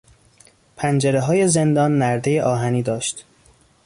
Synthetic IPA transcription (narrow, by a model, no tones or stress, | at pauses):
pʰænd͡ʒeɾeɦɒːje̞ze̞nd̪ɒːnːæɾd̪e̞jeʔɒːɦæniːd̪ɒːʃt̪